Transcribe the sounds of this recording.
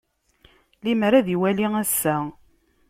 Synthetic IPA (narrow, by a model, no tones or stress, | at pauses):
limɾæðiwæliŋæsːæ